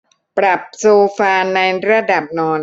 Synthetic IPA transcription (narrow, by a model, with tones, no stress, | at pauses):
pɾa˨˩p̚soː˧faː˧na˧jɾa˧˩da˨˩p̚nɔː˧n